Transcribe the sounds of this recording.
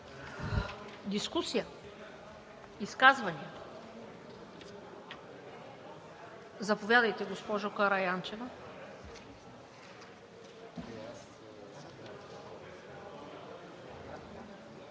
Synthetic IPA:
d̪iskusijə | iskazvɐni | zɐpovʲjad̪əjt̪ɛɡospɔʒokɐɾɐjant͡ʃɛvə

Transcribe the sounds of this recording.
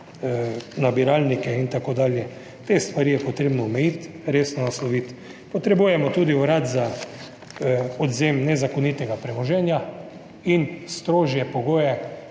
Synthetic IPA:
nabiɾaːlnikɛint̪akoːd̪aːljɛ | t̪est̪ʋaɾiːjɛpɔt̪ɾeːbnɔɔmɛjit̪ | ɾeːsnɔnaslɔʋit̪ | pɔt̪ɾɛbuːjɛmɔt̪uːd̪iɔɾaːt̪za | ɔd̪zemnɛzakonit̪ɛɡapɾɛmɔʒɛːnja | inst̪ɾoːʒjɛpɔɡoːjɛ

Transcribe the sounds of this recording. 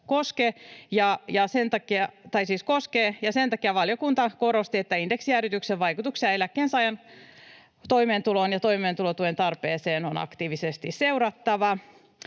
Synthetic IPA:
koskejɑjɑsent̪ɑkːiɑt̪ɑisiːskoskeːjɑsent̪ɑkiɑʋɑljokunt̪ɑkoɾost̪iet̪ːæindeksiærit̪ykseʋʋɑjkut̪uksiɑe̞lækːeːnsɑjɑn | t̪oimeːnt̪ulonjɑt̪oimeːnt̪ulot̪uent̪ɑrpeːseːnonɑ̰kt̪iːʋisest̪isseuɾɑt̪ːɑʋɑ

